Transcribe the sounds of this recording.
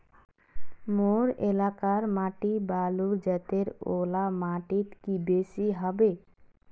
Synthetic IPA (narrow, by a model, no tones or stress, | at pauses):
moɾelakaɾmaːʈibaːluɾd͡ʒət̪eɾolamaʈit̪kibesiɦɔbe